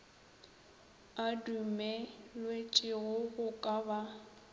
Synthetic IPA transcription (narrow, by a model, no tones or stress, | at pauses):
adumɛlwet͡ʃʼɪɣʊɣʊkʼaba